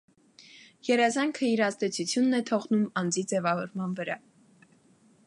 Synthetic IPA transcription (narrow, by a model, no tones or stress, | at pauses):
jɛɾɛzɑŋkʰəiɾɑzd̪ɛt͡sʰut͡sʰjunːɛt̪ʰɔʁnumɑnd͡zid͡zɛvɑvɔɾmɑnvəɾɑ